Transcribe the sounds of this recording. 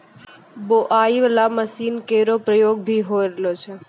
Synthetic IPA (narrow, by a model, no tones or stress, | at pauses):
boʔaːiʋəlaməsiːnkeːɾopɾəjoːɡ̚bʱiɦoɾelot͡ʃʰe